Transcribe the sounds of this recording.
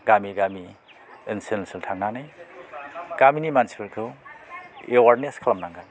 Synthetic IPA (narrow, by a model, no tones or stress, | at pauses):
ɡamiɡami | insensɯltʰaŋnanaj | ɡ̥aminimanspeltʰu | ewaɾneskʰalamnaŋɡan